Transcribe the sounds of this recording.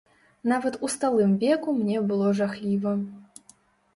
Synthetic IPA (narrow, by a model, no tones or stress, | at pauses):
navɐt̪ust̪alˠɨmvʲɛkumnʲɛbɨlˠɔʐaxlʲivɐ